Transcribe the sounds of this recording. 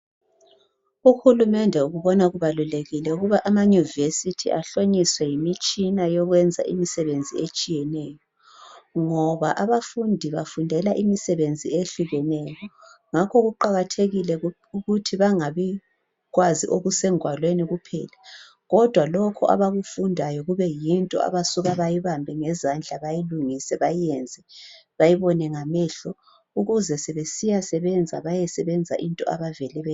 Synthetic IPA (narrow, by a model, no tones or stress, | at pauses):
uxulumɛndʱɛuɣuβɔnaɣuβaluleɣilɛuɣuβaʔamaɲuvesitʰḭaɬoɲiswɛjimit͡ʃʼinajɔɣwɛnd͡zʱa̰ʔḭmisɛβend͡zʱiet͡ʃʼijɛnɛjɔ | ŋɔβaʔaβafundʱiβafundʱɛlaʔimisɛβend͡zʱieɬuɣɛnɛjɔŋakʰɔɣuǃaɣatʰeɣilɛ | uɣutʰiβaŋaβɛ | ɣwaziʔoɣusɛŋʱwalweniɣupʰɛ̰ːla | ɣɔd̥ʱwalokʰɔʔa̰βaɣufundʱajɔɣuβɛjintʼɔ̰a̰βasuɣaβajiβambʱɛŋɛzand͡ɮʱaβajiluŋisɛβajiɛnd͡zʱɛβajiβɔnɛŋamɛɬɔ | uɣuzɛsɛβesijasɛβɛnd͡zʱa̰βajɛsɛβɛnd͡zʱa̰ʔintʼɔa̰βavɛlɛβɛ